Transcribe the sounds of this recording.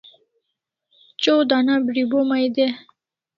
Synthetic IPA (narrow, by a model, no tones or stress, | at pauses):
t͡ɕod̪anabɾibomajd̪e